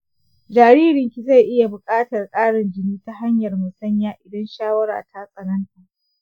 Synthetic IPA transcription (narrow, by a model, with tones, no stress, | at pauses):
d͡ʒaː˨ɾiː˦ɾɪ˨ŋkʲi˨za˦˨jʔɪ˦ja˨bʊ˨kʼaː˦tɐ˨rkʼaː˦ɽɪ˨nd͡ʒɪ˦niː˦ta˦ɦa˦ɲjɐ˨rmʊ˨sɐ˦ɲjaː˦ʔɪ˨dɐ˦nʃaː˦wɐ˦ɾa̰ː˨tʰa˦sʼɐ˨nɐ˦nta˨ʔ